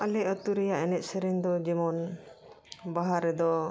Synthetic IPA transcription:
alɛət̪uɾɛjaʔɛnɛt̪̚sɛɾɛŋd̪ɔd͡ʒɛmɔn | baɦaɾːɛd̪ɔ

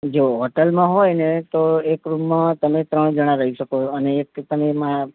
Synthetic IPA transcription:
d͡ʒoɦɔʈəlmãɦojnet̪oekɾumːãt̪əmet̪ɾəɳ̃d͡ʒəɽ̃ãɾəɦiʃəkoəneːkt̪əmema

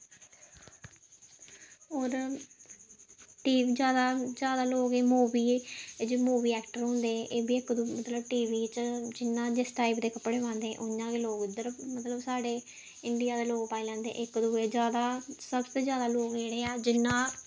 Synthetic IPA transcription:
oːɾ | ʈiːʋiːd͡ʒjaːd̪aːd͡ʒjaːd̪aːloːɡeːmoːbiːd͡ʒiːmuːbiːɛːkʈəɾɦõːnd̪eːʔeːbiːɪkd̪uːmət̪ləbʈiːʋiːt͡ʃd͡ʒɪnːãːd͡ʒesʈaːɪpd̪eːkəpːɽeːʋãːnd̪ẽːʔʊnãːkeːloːɡɪd̪əɾmət̪ləbsaːɖeː | ɪɳɖijaːd̪eːloːɡpaːilɛ̃ːnd̪ḛ̃ːʔɪkd̪uːeːd͡ʒjaːd̪aːsəbt̪oːd͡ʒjaːd̪aːloːɡd͡ʒeːɽeːɛːd͡ʒɪnːãː

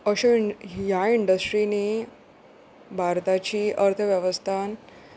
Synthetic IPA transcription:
əɕojaiɳɖəsʈɾini | bʱaɾt̪at͡ɕiːʔəɾt̪ʰəʋjɛʋəst̪ʰan

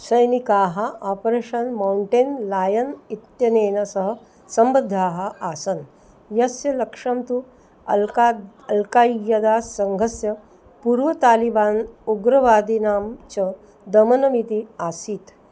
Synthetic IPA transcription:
sɐjnikaːɦɐʔaːpɾeːʂɐnmawɳʈeːnlaːjɐnit̪jɐneːnɐsɐɦɐ̆ | sɐmbɐd̪ʱːaːɦɐ̆ʔaːsɐn | jɐsjɐlɐkʂɐmt̪u | a | ɐlkaːjɐd̪aːsɐŋɡʱɐsjɐ | puːɾʋɐt̪aːlibaːnuɡɾɐʋaːd̪inaːmt͡ʃɐ | d̪ɐmɐnɐmit̪iaːsit̪

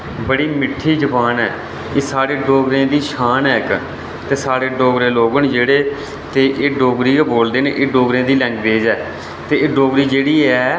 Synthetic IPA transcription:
bəɽiːmɪʈʰːiːd͡ʒəpaːnɛː | eːsaːɽeːɖoːɡɾẽːd̪iːʃʰaːnɛːk | t̪eːsaːɽeːɖoːɡɾẽːloːɡənd͡ʒeːɽeː | t̪eːʔeːɖoːɡɾiːboːld̪eːnḛ̃ːʔeːɖoːɡɾẽːd̪iːlɛ̃ːŋɡʋeːd͡ʒɛː | t̪eːeːɖoːɡɾiːd͡ʒeːɽiːɛː

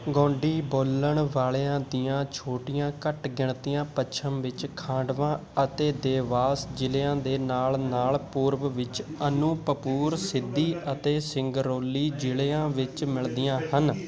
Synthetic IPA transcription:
ɡõːɳɖiːboːlːəɳʋaːleːãːd̪ijãːt͡ʃʰoːʈijãːkəʈɡɪɳt̪ijãːpət͡ʃʰəmʋɪt͡ʃkʰãːɖʋãːət̪eːd̪eːʋaːsd͡ʒɪleːãːd̪eːnaːlnaːlpuːɾʋʋɪt͡ʃənũːpəpuːɾsɪd̪ːiːʔət̪eːsɪŋɡɾoːlːiːd͡ʒɪleãːʋɪt͡ʃmɪɭd̪ijãːhən

